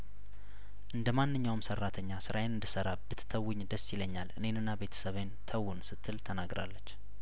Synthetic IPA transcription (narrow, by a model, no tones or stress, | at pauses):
ʔɨnd̪əmanːɨɲːawmsərːat̪ʰəɲːasɨɾʔajenɨnd̪ɨsəɾabɨt̪ʰt̪ʰəwːʊɲd̪əsɪləɲːalʔɨ̰ne̞nɨnːabe̞t̪ʰə̥səβent̪ʰəwːʊnsɨt̪ʰːɨlt̪ʰənaɡɾa̰lːət͡ʃː